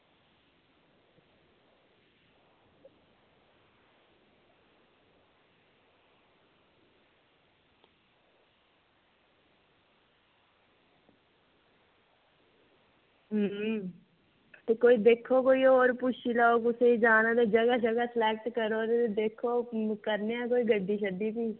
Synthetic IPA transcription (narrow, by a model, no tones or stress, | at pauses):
ɦ | t̪ekoːid̪eːkʰokoːioːɾpʊʃilaoːkʊseid͡ʒaːnod̪ed͡ʒəɡaʃəɡasɪlɛːk̚ʈkəɾoːd̪et̪ed̪eːkʰokəɾneãkoːiɡəɖːiʃəd̪ibiː